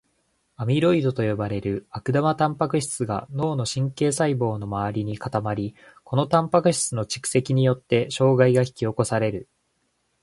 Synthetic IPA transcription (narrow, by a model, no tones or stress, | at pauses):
amʲiɾo̞id̪o̞t̪o̞jo̞baɾe̞ɾɯ̟akɯ̟d̪amat̪ãmpakɯ̟ɕi̥t͡sɨɡa̰no̞ːno̞ɕĩŋke̞ːsaibo̞ːno̞maβaɾʲiɲ̟ikat̪amaɾʲi | ko̞no̞t̪ãmpakɯ̟ɕi̥t͡sɨno̞t͡ɕi̥kɯ̟̥se̞kʲiɲ̟ijo̞t̪ːe̞ɕo̞ːɡaiɡaçi̥kʲio̞ko̞saɾe̞ɾɯ̟